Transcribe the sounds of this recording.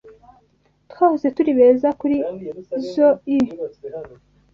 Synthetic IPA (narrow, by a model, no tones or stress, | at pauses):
twaːhuze̞tuɾiβeːzakuɾizoi